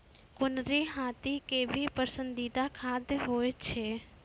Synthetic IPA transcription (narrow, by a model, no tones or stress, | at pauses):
kʊnɾeɦaːt̪ikebʱipəsə̃nd̪id̪akʰaːd̪jɦoːet͡ʃʰeː